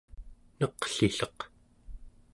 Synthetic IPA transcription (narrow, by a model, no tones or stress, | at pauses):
nʌqɬiɬʌq